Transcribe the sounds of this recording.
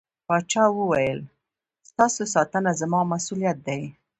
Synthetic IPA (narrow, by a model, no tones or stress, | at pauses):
pɑt͡ʃɑwəwajəl | st̪ɑsosɑt̪ənazamɑmasulijat̪̚d̪aj